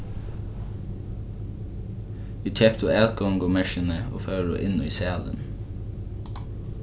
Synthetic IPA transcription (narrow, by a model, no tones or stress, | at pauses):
ʋiːt̪ʰɛpt̪ʊɛlkɔŋɡoːmɛʃənəo̰ːfœːɹo̰ːʔɪnoːiːseːɑlə̰n